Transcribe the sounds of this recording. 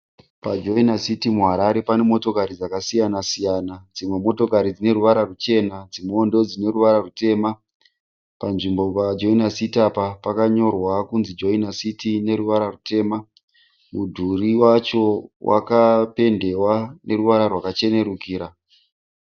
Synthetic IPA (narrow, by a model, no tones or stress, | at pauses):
pad͡ʒo̞inasitimuɦaɾaɾe̞pane̞mo̞to̞kaɾid͡zakasijanasijanad͡zimwe̞mo̞to̞kaɾid͡zine̞ruʋaɾarut͡ʃe̞nad͡zimoːndo̞d͡zine̞ruʋaɾarute̞ːma | panʐimbo̞pad͡ʒo̞inasitapapakaɲo̞rwakunzid͡ʒo̞inasitine̞ɾuʋaɾarute̞ːma | mudʱuriwat͡ʃo̞wa̰kape̞nde̞wanʔe̞ɾuʋaɾarwakat͡ʃe̞ne̞rukiːɾa